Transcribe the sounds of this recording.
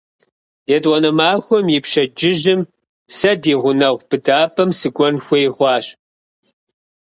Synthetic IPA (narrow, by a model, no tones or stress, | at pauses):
jɛtʼwɔnɐmaːxʷɔmjɪpʃɐd͡ʒɪʒɪm | sɐdiːʁʷʊnɐʁʷb̥ɨdaːpʰɐmsɨɡʷʼɔnxʷɔjʁʷɑːɕ